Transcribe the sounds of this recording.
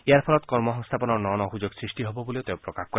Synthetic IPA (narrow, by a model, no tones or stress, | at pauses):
eaɾpʰɔlɔt̪kɔɾmɔɦɔŋst̪ʰapɔnɔɾnɔnɔɦud͡ʒoɡsɾisʈiɦɔbɔboliot̪ewpɾɔkakkɔɾe